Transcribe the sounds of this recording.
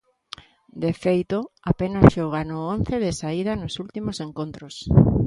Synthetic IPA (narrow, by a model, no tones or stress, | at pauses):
d̪efejt̪oapenasʃoɣ̞anʊon̟θeðesaið̞ɐnosult̪imoseŋkont̪ɾos